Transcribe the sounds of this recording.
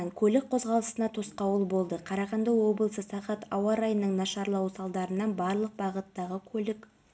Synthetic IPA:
nkʲʰɵlɪk̚qʰo̞zʁɑlˠəsənɑt̪ʰosqɑwəlˠbo̞lˠd̪əqʰɑɾɑʁɑnd̪ɑwo̞bəlˠsəsɑqɑt̪ɑwɑɾɑjənːəɴnɑʃɑɾlˠɑwsɑlˠd̪ɑɾənɑnbɑɾlˠəq̚bɑʁət̪ːɑʁəkʲʰɵlɪk

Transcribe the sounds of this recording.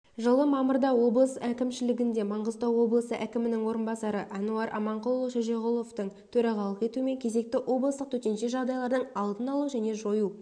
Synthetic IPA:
ʒəlˠəmɑməɾd̪ɑwo̞blˠəsækʲɪmʃɪlɪɡʲɪnd̪e̞mɑɴʁəzt̪ɑwwo̞blˠəsəʔækʲɪmɪnɪŋwo̞ɾənbɑsɑɾəʔɑnuɑɾʔɑ̰mɑɴqʊlˠːoʃəʒeʁolˠo̞ft̪əɴt̪ʰɵɾɑʁɑlˠəqe̞t̪uɪme̞ŋkʲʰe̞ze̞k̚t̪ɪwʔo̞blˠəst̪əqt̪ʰɵt̪e̞nʃe̞ʒɑʁd̪ɑjlˠɑɾd̪əɴɑlˠd̪ənɑlˠuʒæne̞ʒo̞ju

